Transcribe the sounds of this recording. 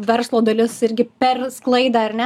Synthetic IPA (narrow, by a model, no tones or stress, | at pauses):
ʋʲɛɾslˠoːd̪ɐlʲɪsɪɾʲɡʲɪpʲɛrsklˠɐɪd̪ɐːɐrnʲɛ